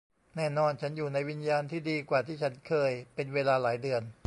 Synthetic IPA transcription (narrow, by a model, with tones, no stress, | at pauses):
nɛː˥˩nɔː˧nt͡ɕʰa˦˥njuː˨˩na˧jwi˧njaː˧nt̪ʰiː˥˩diː˧kwaː˨˩t̪ʰiː˥˩t͡ɕʰa˦˥nkʰɤː˧jpe˧nweː˧laː˧laː˩˦jdɯ˧ən